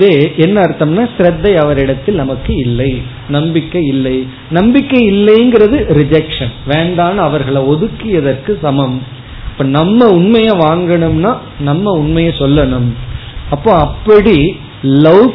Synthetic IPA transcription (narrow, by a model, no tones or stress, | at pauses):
ðeːʔɛnːɐːɾɯt̪ːɐmnaːsɪɾɐd̪ːɐɪɐʋɐɾɪɽɐt̪ːɪlnɐmɐkːɯɪlːɐɪ | nɐmbɪkːɐɪlːɐɪ | nɐmbɪkːɐɪlːɐɪɯŋɡɪɾɐðɯɾɪd͡ʒɐkʂɐnʋeːɳɖaːnɐɐʋɐɾɣɐɭɐɔðɯkːɪjɐðɐrkɯsɐmɐm | ɐpːoːnɐmːɐʊɳmɐjãːʋaːŋɡɐɳɯmnaː | nɐmːɐʊɳmɐjɐ̃sɔlːɐɳɯmɐpːoːɐpːɐɽi | lɐʊ